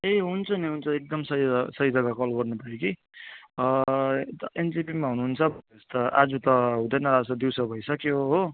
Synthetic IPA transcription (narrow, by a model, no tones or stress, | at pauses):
eɦunt͡sʰʌniɦunt͡sʰʌek̚d̪ʌmsʌɦisʌɦid͡zʌɡakolbʌrnupaeki | t̪ʌend͡zipimaɦunuɦːnt͡sʰʌbʱʌest̪ʌʔad͡zut̪ʌɦũd̪ʌjnʌɾad͡zsʌd̪iwsʌbʱʌjsʌkoɦoɦo